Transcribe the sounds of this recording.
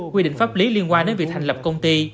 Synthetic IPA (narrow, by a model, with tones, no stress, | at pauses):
kwi˧ɗḭ̈˧˨ŋ̟faː˦˥p̚li˨˦li˧ənkwaː˧nɗe˧njvi˨˩a˨˩ŋ̟lə˨˩p̚kə˧wŋ͡mt̪i˧